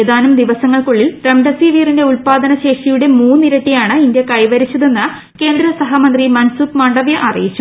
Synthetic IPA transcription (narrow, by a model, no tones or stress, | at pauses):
ed̪aːnumd̪iʋɐsɐŋːɐɭkoɭːilɾemɖɐsiʋiːrinde̞ulpaːd̪ɐnɐɕe̞ːʂijuɽe̞muːnːiɾɐʈːijaːɳɨindje̞kɐjʋɐɾit͡ɕːɐðe̞nːɨ | ke̞ːnd̪ɾɐsɐɦamɐnd̪rimɐnsupmɐɳɖɐʋjɐʔɐrḭjit͡ɕːu